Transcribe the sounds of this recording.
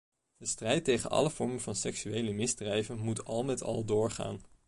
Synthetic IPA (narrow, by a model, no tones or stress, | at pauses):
d̥əstrɛjtejχə̰nɑ̰ləv̥ɔɹməvɑnsɛksyejləmɪzdrɛjvənmutɑlˠmɛtɑ̰lˠdʊːɹχa̰ːn